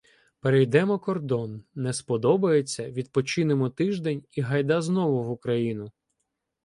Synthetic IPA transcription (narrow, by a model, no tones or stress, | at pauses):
peɾejd̪ɛmɔkɔrd̪ɔnːɛspɔd̪ɔbɐjet͡sʲːɐʋʲid̪̚pɔt͡ʃɪnemɔt̪ɪʒd̪ɛnʲiɦɐjd̪aznɔʋʊʋʊkɾɐjinʊ